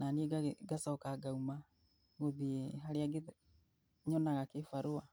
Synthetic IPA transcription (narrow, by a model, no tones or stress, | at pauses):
nanieɡaɡasɔkaɡauma | ɣoðieɦaɾeaɡe | ɲɔnaɣakefaɾoa